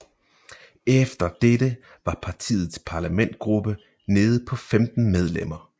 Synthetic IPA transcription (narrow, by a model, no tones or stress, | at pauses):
efd̥ɐd̥ed̥ə | ʋɑ̈pʰɑ̈t͡sʰḭːð̩ˠspʰɑ̈læmen̰d̥̚ɡ̥ʁub̥ə | ne̝ːð̞̩ˠpʰɒ̽femd̥n̩með̞ˠlem̰ɐ